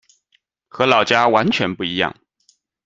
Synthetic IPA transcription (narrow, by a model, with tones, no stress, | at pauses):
xɤ˧˥lɑ˨˩ʊt͡ɕja˥wa˧˥nt͡ɕʰɥɛ˧˥npu˥˩i˧˥jɑ̰˥˩ŋ